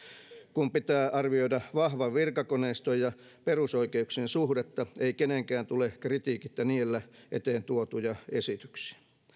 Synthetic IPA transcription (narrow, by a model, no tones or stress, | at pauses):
kumpit̪æːʔɑrʋioidɑʋɑhʋɑʋʋirkɑkoneist̪ojjɑ | perusoikeuksiensuhdet̪ːɑeikeneŋkæːnt̪ulekrit̪iːkit̪ːæniːelːæʔet̪eːnt̪uot̪ujɑesit̪y̥ksi̥æ̥